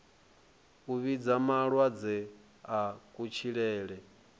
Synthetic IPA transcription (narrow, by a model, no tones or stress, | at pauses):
uβid͡zamaɺwad͡zɛ | akʼut͡ʃʰiɺɛːɺɛ